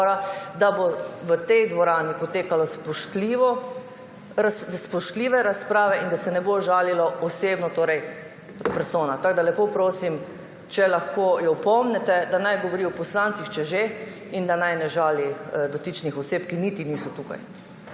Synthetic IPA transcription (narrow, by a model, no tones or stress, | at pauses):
ɾad̪aboʋət̪ɛjd̪ʋɔɾaːnipɔt̪eːkalɔspɔʃt̪liʋɔ | spɔʃt̪liːʋɛɾaspɾaːʋɛʔind̪asɛnɛboʒaːlilɔɔseːbnɔt̪oːɾɛj | pɛɾsoːnat̪aɡd̪alɛpoːpɾoːsim | t͡ʃɛlaxkoːjɔwpɔmnɛt̪ɛd̪anajɡɔʋɔɾiɔpɔslant̪sixt͡ʃɛʒe | ind̪anajnɛʒaːlid̪ɔt̪it͡ʃnixɔseːpkinit̪iniːsɔt̪uka̰j